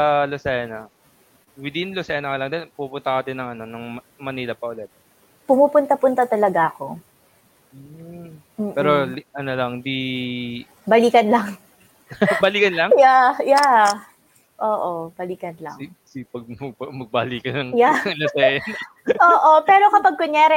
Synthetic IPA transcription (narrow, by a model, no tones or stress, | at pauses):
sɐlosɛnɐ | wɪd̪inlosɛːnɐkɐlɐŋd̪ɛnpupʊnt̪akɐd̪ɪnɐŋɐnonɐŋm | mɐnilɐpɐʔʊlɛt̪ | pʊmuːpʊnt̪ɐpʊnt̪at̪ɐlɐɡaʔɐko̞ | m̩ːpɛːɾolʔɐnolɐŋd̪i | bɐliːkɐnlɐŋ | bɐliːkɐnlɐŋjaja | ʔoːʔobɐliːkɐnlɐ̰ŋ | sipɐɡ̚ɐɡ̚mɐɡ̚bɐliːkɐnɐŋjalosɛn | ʔoːʔo̞pɛːɾo̞kɐpɐɡ̚koɲaːɾɛ